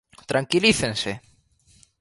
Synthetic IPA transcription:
t̪ɾaŋkiliθẽnse

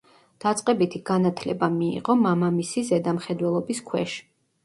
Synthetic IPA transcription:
d̪̥at̪sʼqʼɛbit̪ʰiɡ̥anat̪ʰlɛbamiḭʁɔmamamisizɛd̪amχɛd̪wɛlˠɔbiskʰwɛ̰ʃ

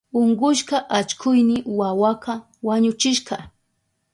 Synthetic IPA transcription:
oɴɢʊʃkɑʔat͡ʃkʰʊjnɪwawaqɑ | waɲʊt͡ʃɪʃkɑ

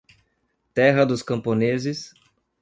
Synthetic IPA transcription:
t̪ɛɦɐd̪ʊskɐ̃mpõnezɪs

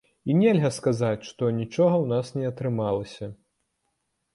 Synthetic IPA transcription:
inʲɛlʲɣɐskazat͡sʲʂt̪ɔnʲit͡ʂɔɣɐwnasnʲɛɐt̪ɾɨmalˠɐsʲɐ

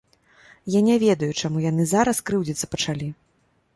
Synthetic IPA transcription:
janʲɛvʲɛd̪ɐjut͡ʂamujan̪ɨzaɾɐskɾɨwd͡zʲit̪sːɐ̥pɐt͡ʂalʲi

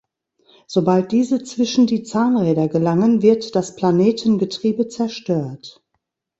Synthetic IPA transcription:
z̥obalt̚d̥iːzət͡sv̥ɪʃn̩diːt͡saːnʁɛːdɐɡəlaŋənvɪɐtd̥aspl̥aneːtʰn̩ɡətʁ̥iːbət͡sɛɐʃtøːɐt

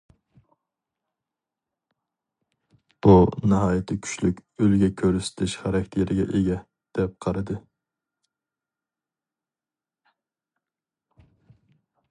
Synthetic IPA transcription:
b̥unɨɦɑːjɪt̪ʰɪkʲʰy̥ʃlykʲølɡʲɛkʲʰøɾysɪ̥t̪ʰɪʃχæɾɛkʲʰt̪ʰjeɾɪɡʲɛ̰ʔeɡʲɛ | d̪̥ɛp̚qʰɑɾɨd̪ɨ

